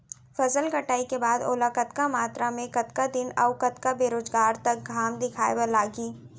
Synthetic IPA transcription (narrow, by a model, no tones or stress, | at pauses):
fɐzəlkɐʈaːikebaːd̪oːlakɐt̪kamaːt̪ɾamẽkɐt̪kad̪ɪnɐʊkɐt̪kabeːɾoːzɡaːɾt̪ɐk̚ɡʱaːmd̪ɪkʰaːjebelaːɡiː